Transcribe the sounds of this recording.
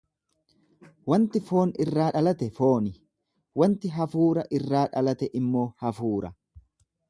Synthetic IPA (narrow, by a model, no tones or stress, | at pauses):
wɐnt̪ɪfo̞ːnɪrːaːᶑɐlɐt̪ɛfo̞ːnɪ | wɐnt̪ɪɦɐfuːɾɐʔɪrːaːᶑɐlɐt̪ɛʔɪmːo̞ːhɐfuːɾɐ